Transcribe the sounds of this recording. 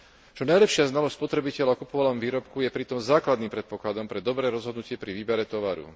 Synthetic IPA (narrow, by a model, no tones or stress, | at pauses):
t͡ʃɔnajlɛpʃɪaznalɔsspɔt̪ɾɛbicɛlaɔkupɔʋalɔmʋiːɾɔpkujɛpɾit̪ɔmzaːklad̪nimpɾɛt̪̚pɔklad̪ɔmpɾɛd̪ɔbɾɛːɾɔzɦɔd̪nucɪɛpɾiʋiːbɛɾɛt̪ɔʋaɾṵ